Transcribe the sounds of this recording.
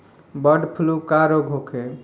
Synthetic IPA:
bəɖpʰulukaɾoɡʱɦokʰe

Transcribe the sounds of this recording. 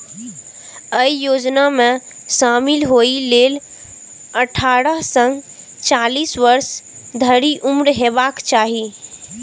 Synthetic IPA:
əijod͡ʒname | ʃamilɦoilel | əʈʰaɾəɦsə̃ŋɡ | t͡ʃalisʋəɾsd̪ʱəɾiʔumɾɦebakt͡ʃaɦi

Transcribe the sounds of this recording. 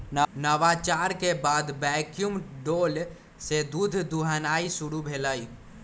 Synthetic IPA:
nnəʋat͡ʃaɾkebad̪bɛkjumɖol | sed̪ud̪ʱd̪uɦanaisuɽubʱeləj

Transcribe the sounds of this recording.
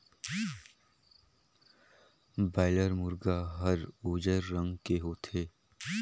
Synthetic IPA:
baːɪləɾmʊɾɡaɦɐɾuːd͡ʒəɾːɐ̃ŋɡkeɦot̪ʰeː

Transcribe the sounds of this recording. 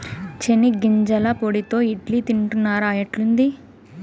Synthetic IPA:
t͡ʃeniɡiɲd͡ʒɐlɐpoɽit̪o̞ːiʈlit̪iɳʈunːaːɾaːjɐʈlund̪i

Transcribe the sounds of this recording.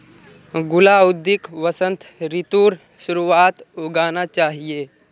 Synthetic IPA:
ɡulaud̪ːikʋəsənt̪ʰɾit̪uːɾ | ɕuɾuat̪uɡanat͡ʃaɦije

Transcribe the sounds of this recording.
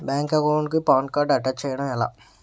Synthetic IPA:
baːŋkɐɡoɳɖkupaːɐnkaːɖɐʈɐt͡ʃɛːjɐɽɐmɛla̰ː

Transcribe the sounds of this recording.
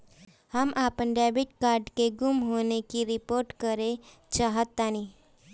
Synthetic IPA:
həmʔapəɳɖɛbiʈ̚kaːɾɖkeɡumɦonekiɾipoːɾʈkəɾe | t͡ʃaɦət̪ːani

